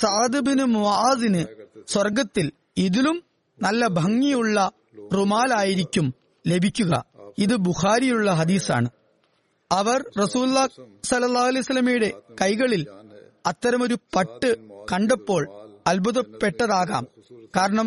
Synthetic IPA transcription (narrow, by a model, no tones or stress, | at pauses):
sɐʕɐd̪ɨbinumuʔaːdinɨswɐrɡɐt̪ːil | iðilum | nɐlːɐbʱɐŋːijuɭːɐ | rumaːlaːjiɾikʲːum | le̞bʱikʲːuɣɐ̰iðɨbuxaːɾijuɭːɐɦɐd̪iːsa̰ːɳɨ | ɐʋɐrrɐsuːlulːaːsɐlːɐlːaːhɐlejsɐlːɐmijuɽe̞kɐjɣɐɭil | ɐt̪ːɐɾɐmo̞ɾupɐʈːɨkɐɳɖɐpːo̞ːɭɐlbuðɐpːe̞ʈːɐðaːɣa̰ːmkaːɾɐɳɐm